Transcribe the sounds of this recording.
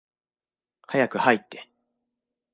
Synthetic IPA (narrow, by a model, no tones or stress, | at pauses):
hajakɯ̟hait̪ːe̞